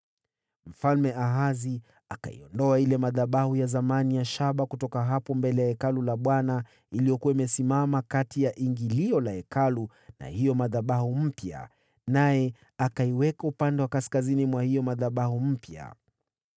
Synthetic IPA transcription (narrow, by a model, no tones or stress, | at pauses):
m̩falmɛaɦazi | aka̰ḭɔndɔailɛmaðaɓahujazamanijaʃaɓakutɔkaɦapɔmbɛlɛjaɛkalulaɓwana | iliɔkuwaimɛsimamakatijaʔiŋɡiliɔlaɛkalu | na̰hijɔmaðaɓahum̩pja̰ | najɛ | akaiwɛkaupandɛwakaskazinimwahijɔmaðaɓahum̩pja̰